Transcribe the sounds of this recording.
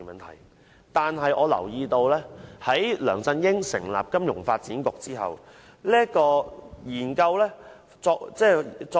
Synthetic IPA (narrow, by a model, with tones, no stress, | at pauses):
mɐ˨nt̪ʰɐ˨˩j | t̪aː˨nɦɐ˨jʔɔː˨˧lɐ̰˨˩wjiː˧t̪o˧wlɛː˥hɐ˨˥jlœː˨˩ŋsɐ˧njɪ˥ŋsɪ̰˨˩ŋla̰ː˨p̚kɐ˥mjʊ˨˩ŋfaː˧t̚t͡siː˨˥nkʊ˨k̚t͡siː˥ɦɐ̰˨w | liː˥ə˥kɔː˧jiː˨˩nkɐ˧wlɛː˥ | t͡sɔː˧t͡sɛː˥˩t͡sɔː˧